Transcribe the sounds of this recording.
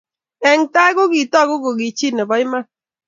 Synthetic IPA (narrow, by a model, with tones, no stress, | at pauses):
ɛ˨ŋ˨ta˦ɡo˦ɡi˨tɔ˦˨˦ɡo˦ɡo˨ɡi˨t͡ʃi˦˨nɛ˨bɔ˨ɪ˦ma˦